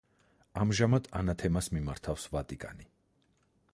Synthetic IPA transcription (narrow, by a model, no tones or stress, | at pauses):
amʒamad̪̥a̰nat̪ʰɛmasmimaɾt̪ʰafsvat̪ʼikʼa̰ni